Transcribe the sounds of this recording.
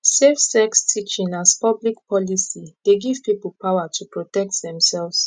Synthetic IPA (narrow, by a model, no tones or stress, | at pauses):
sefsɛkstʰit͡ʃĩnaspʌblik̚pʰɔlisid̥eɡiv̥pipəl̩ˠpʰawatʰupɹotɛk̚tðɛ̃msɛlvs